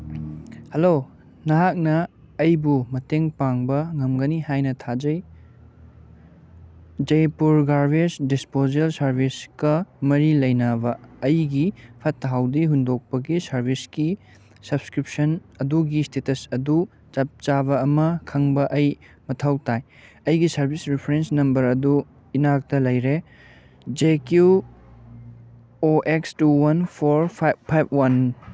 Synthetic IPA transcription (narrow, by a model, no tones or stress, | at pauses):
hɐlo | nɐɦak̚nɐː | jbumɐteŋpaŋbɐŋɐmɡɐnihajnɐtʰad͡ʒɐj | d͡ʒɐjpuɾɡaɾbesdispozelsɐɾbʱiskɐmɐɾilɐjnɐbɐːjɡipʰɐtɦawdiɦundok̚pɐɡisɐɾbʱiski | sɐbskɾip̚sɐnɐduɡistetɐsɐdu | t͡ʃɐp̚t͡ʃabɐːmɐkʰɐŋbɐʔɐj | mɐtʰɐwtaj | ɐjɡisɐɾbʱisɾipʰɐɾensnɐmbɐɾɐdu | inak̚tɐlɐjɾe | d͡ʒekju | oʔekstuwɐnpʰoɾpʰpʰajb̚wɐn